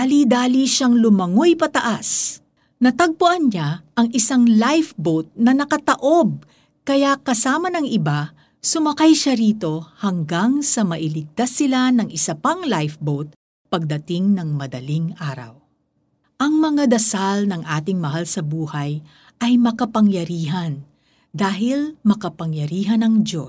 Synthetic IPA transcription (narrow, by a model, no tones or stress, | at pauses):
alid̪aːliʃaŋlʊmɐŋojpɐt̪ɐʔas | nɐt̪ɐɡ̚pʊʔɐnɲaʔɐŋʔɪsaŋlajfbot̪̚nɐnɐkɐt̪ɐʔo̞b̚ | kɐjakɐsaːmɐnɐŋɪba | sʊmɐkajʃaɾiːt̪o̞hɐŋɡaŋsɐmɐʔɪlɪɡ̚t̪asɪlanɐŋʔɪsɐpaŋlajfbowt̪̚ | pɐɡ̚d̪ɐt̪ɪŋnɐŋmɐd̪ɐliŋʔaːɾɐ̰w | ʔɐŋmɐŋad̪ɐsalnɐŋʔaːt̪ɪŋmɐɦalsɐbuːhɐj | ʔɐjmɐkɐpɐŋjɐɾiːɦɐn | d̪aːɦɪlmɐkɐpɐŋjɐɾiːɦɐnɐŋd̪o̞